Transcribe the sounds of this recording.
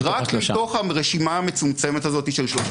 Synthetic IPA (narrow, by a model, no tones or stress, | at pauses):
ʁakto̞χaʁeʃimaːme̞t͡sumt͡semet̪azo̞t̪iʃelʃo